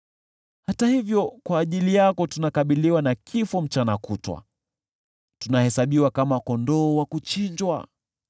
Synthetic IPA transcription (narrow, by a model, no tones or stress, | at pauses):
hatahivjɔkwaːʄilijakɔtunakaɓiliwanakʰifɔm̩t͡ʃanakutwa̰ | tunahɛsaɓiwakamakɔndɔːwakut͡ʃiɲd͡ʒwa̰